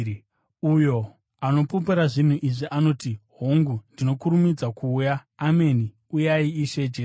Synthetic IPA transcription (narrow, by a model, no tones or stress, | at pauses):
ujo̞ | ano̞pup̬iɾaʐin̤uʔiʐiʔano̞ːtiɦoŋɡundino̞kuɾumid͡zakuːjaːme̞ni | ujaiiʃe̞d͡ʒe